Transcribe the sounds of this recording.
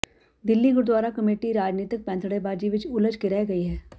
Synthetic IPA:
d̪ɪlːiɡʊɾd̪waːɾakɐmeːʈiɾaːd͡ʒniːt̪ɪk̚pɛ̃ːnt̪ʰəɽebaːd͡ʒiʋɪt͡ʃʊləd͡ʒkɪɾɛːɦɡɐiɦɛː

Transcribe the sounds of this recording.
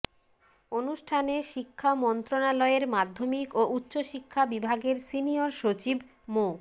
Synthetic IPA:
onuʃʈʰaneʃikʰːamɔnt̪ɾonalɔeɾmad̪ʱːomikoʔutːɕoʃikʰːabibʱaɡeɾsinioɾʃot͡ɕibʱ | mo

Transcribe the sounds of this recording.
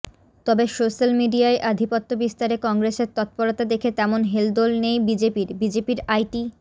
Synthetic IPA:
t̪ɔbeʃoʃalmiɖiaeʔad̪ʱipot̪ːobist̪aɾekɔŋɡɾeseɾt̪ɔt̪̚poɾot̪ad̪ekʰet̪ɛmonɦeld̪olnejbid͡ʑepiɾbid͡ʑepiɾajʈi

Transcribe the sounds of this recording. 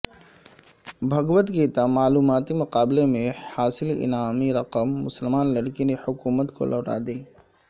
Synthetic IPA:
bʱɐɡwət̪kit̪amaːluːmaːt̪imʊqaːbɪlemẽhaːsɪlɪ̰naːmiɾɐqəmːʊsəlmaːnlɐɽkinehʊkuːmət̪ko̰lʔɔːʈa̰ːd̪iː

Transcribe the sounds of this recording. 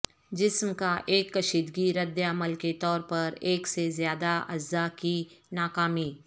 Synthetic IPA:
d͡ʒɪsmkaʔeːkːɐʃiːd̪ɡiɾɐd̪jəɐməlket̪ɔːɾpɐɾeːksezjaːd̪aʔɐzːakinaːkaːmiː

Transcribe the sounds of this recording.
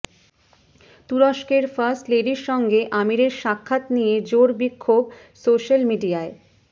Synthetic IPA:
t̪uɾoʃkeɾfaɾsʈleɖiɾʃɔŋɡeʔamiɾeɾʃakʰːat̪nijed͡ʑoɾbikʰːob | soʃalmiɖiae

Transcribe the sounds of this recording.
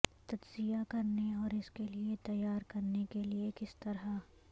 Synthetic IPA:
t̪ɐd͡ʒzijakɐɾneɔːɾɪskeliet̪ɐjaːɾkɐɾnekeliekɪst̪ɐɾɦa

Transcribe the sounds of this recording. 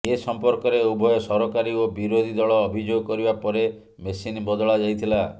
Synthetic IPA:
esɔmpɔɾkɔɾeubʱɔjɔsɔɾɔkaɾiobiɾod̪ʱid̪ɔɭɔːbʱid͡ʒoɡɔkɔɾibapɔɾe | mesinbɔd̪ɔɭad͡ʒajt̪ʰila

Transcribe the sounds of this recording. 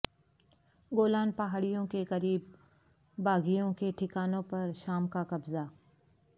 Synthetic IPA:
ɡoːlaːnpɐɦaːɽijõkekɐɾiːb̚ː | aːɡijõkeʈʰɪkaːnõpɐɾʃaːmkakɐbza

